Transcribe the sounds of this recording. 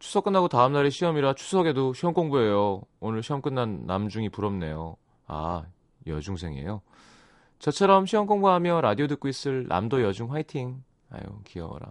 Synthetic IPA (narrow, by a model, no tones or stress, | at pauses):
t͡ɕʰu̥sʰʌk͈ɯnːɦaɡotaɯmnaɾeɕʰiʌmiɾat͡ɕʰu̥sʰʌɡe̞doɕʰiɦʌnk͈oŋbue̞joonɯɭɕʰiʌmk͈ɯnːanːa̰md͡ʑuŋipuɾʌmne̞jo | a̰ | jʌd͡ʑuŋs̬ʰe̞ŋe̞̰jo | t͡ɕʌt͡ɕʰʌɾʌmɕʰiʌnk͈oŋbuɦamjʌɾadiodɯk͈ois͈ɯɭnʔa̰mdojʌd͡ʑuŋɸwaitʰiŋ | a̰jo̰kiʌ̰ɾa̰